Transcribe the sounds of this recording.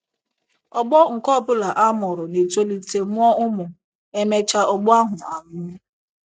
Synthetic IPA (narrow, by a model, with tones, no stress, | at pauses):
ɔ˨ɡ͡bɔ˦ŋ̩˨kɔ˦˨pʊ˦la˨ʔa˦mʊ˨ɾʊ˨ne˨to˦li˦te˨mʊ˦ɔ˦ʊ˦mʊ˨ | e˦me˦t͡ʃa˦ʔɔ˨ɡ͡bɔ˦a˦ɦʊ˨a˨ɲʊ˦